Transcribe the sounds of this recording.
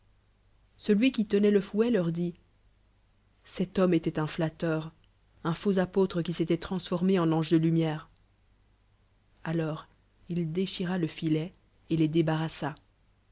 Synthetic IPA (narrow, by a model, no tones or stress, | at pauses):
səlɥikʲit̪ənɛləfwɛlœʁd̪i | sɛt̪ɔmet̪ɛt̪ɛ̃flat̪œːʁ | ɛ̃fozapot̪χəkʲiset̪ɛt̪χɑ̃sfɔʁmeɑ̃lɑ̃ʒd̪əlymjɛːʁ | alɔːʁ | ild̪eʃiʁaləfilɛ | eled̪ebaʁasa